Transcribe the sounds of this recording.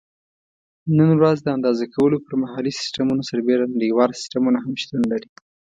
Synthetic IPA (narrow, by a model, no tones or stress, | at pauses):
nənwɾazd̪əand̪ɑzakʰawəlopəɾmahɑlisɪ̥sʈamunosaɾbeɾanaɽiwɑlsɪ̥sʈamunaɦamʃt̪unlaɾi